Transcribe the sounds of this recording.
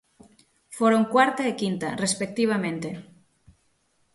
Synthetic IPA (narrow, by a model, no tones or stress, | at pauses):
foɾoŋkwaɾt̪aekint̪a̰respek̚t̪iβ̞amẽnt̪e